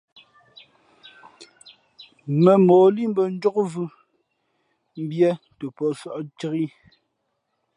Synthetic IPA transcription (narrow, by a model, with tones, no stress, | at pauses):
mɛ˨mɔː˨li˦m˦bə˨n̩˦d͡ʒɔ˦kvʉ˦ | m̩˦bjɛ˦ | tə˨pɔ˨sɔ˦ʔtə˦ɣi˦